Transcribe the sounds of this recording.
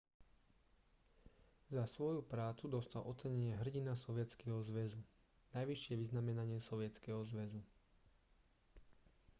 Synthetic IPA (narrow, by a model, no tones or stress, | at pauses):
zasʋɔjupɾaːt͡sud̪ɔst̪alʔɔt͡sɛɲɛɲɪɛɦr̩ɟinasɔʋɪɛt͡skɛɦɔzʋɛzu | najʋiʃɪɛʋiznamɛnaɲɪɛsɔʋɪɛt͡skɛɦɔzʋɛzu